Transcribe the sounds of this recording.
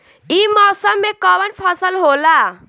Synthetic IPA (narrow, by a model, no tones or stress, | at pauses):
imɔːsəmːekɔʋənpʰəsəlɦola